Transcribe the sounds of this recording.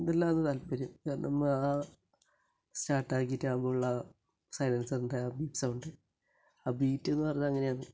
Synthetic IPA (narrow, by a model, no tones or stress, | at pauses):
nd̪ɐlːaːenːɨt̪ɐlpːɐɾumanɐmːɐaː | staːʈːaːkːitːaːbouɭːɐ | sɐjlɐnsɐunɖɨabiːpsauɳɖɨ | aːbiːtːe̞nːɨpɐrɐɲːamɐŋːɐneaːɳɨ